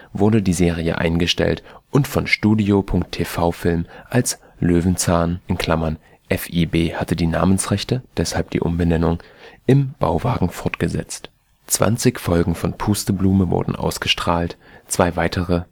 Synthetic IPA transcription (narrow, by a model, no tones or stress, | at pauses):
vʊɐdədiːzeːʁ̞iə̰ʔa̰ɪnɡəʃtɛ̰ltʔʊntfɔnʃtuːdiopʰʊŋk̚tʰeːfaʊfɪlmʔals | løːvn̩t͡saːnʔɪnkʰl̥amɐn | ʔɛfʔiːbeːhatədiːna̰ːmənsʁɛçtəd̥ɛshalp̚d̥ḭːʔʊ̰mbənɛnʊŋʔɪmb̥a̰ʊvaːɡŋ̩fɔɐtɡ̥əzɛ̰t͡st | t͡sv̥a̰nt͡sɪçfɔlɡŋ̩fɔnpʰuːstəbluːməvʊ̰ɐdn̩ʔa̰ʊsɡ̥əʃtʁ̥aːlt | t͡sv̥aɪvaɪtʰəʁə